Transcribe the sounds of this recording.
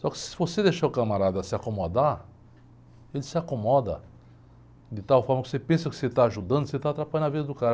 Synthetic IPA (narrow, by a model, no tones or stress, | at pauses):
sɔkɪ̥sɪvosed̪eʃaɾʊkamaɾad̪ɐɐsɪakomod̪a | elɪsɪakomɔd̪ɐ̰ | d̪ɪt̪awfɔɾmɐko̥sepẽsɐkɪ̥set̪aːʒud̪ɐ̃d̪ʊkset̪aːt̪ɾapaʎɐ̃nɐvid̪ɐd̪ʊkaɾ